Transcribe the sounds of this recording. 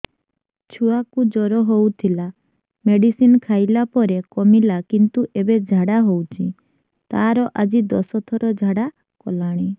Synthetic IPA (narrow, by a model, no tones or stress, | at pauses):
t͡ʃʰuakud͡ʒɔɾɔɦowt̪ʰila | meɽisinkʰajlapɔɾekɔmilakint̪uʔebed͡ʒʱaɽaɦowt͡ʃʰi | t̪aɾɔʔad͡ʒid̪ɔsɔt̪ʰɔɾɔd͡ʒʱaɽa | kɔ̰laɽ̃i